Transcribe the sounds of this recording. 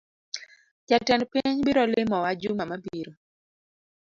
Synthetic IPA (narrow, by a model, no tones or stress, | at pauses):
t͡ʃatɛnpiɲbiɾɔlɪmɔwad͡ʒʊmamabiɾo